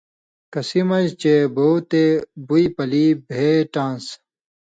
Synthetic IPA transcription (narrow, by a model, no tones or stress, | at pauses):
kɐsimɐd͡ʑt͡ɕebowt̪ebujpɐlibʱeːʈãːns